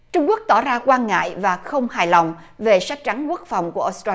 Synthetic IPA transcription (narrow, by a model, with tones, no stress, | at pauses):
t͡ɕʊ˧ŋ͡mku˦˥ək̚t̪ɔ˧˩zaː˧kwaː˧nŋa̰ː˧˨jvaː˨˩xə˧wŋ͡mhaː˧˨˩jla˨˩wŋ͡m | ve˨˩sa˦˥k̚t͡ɕa˨˦nku˦˥ək̚fa˨˩wŋ͡mku˧˩əʔo˦˥st̪aː˧